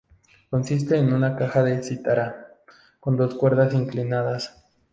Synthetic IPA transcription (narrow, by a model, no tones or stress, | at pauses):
ko̞nsis̬t̪e̞ːnunakaxaðe̞sit̪aɾa | ko̞nd̪o̞skwe̞ɾðasiŋklinaðas